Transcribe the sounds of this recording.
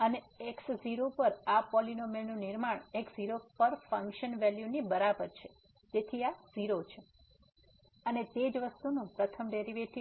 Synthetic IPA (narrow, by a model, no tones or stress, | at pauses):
əne | eksziɾopəɾapɔlinomenũnɪɾmaɳ̃eksziɾopəɾfə̃ŋkʃənʋɛljunibəɾabəɾt͡ʃʰe | d͡ʒet̪ʰiaziɾot͡ʃʰe | ənet̪ed͡ʒʋəst̪unũpɾət̪ʰəmɖeɾiʋeʈʰi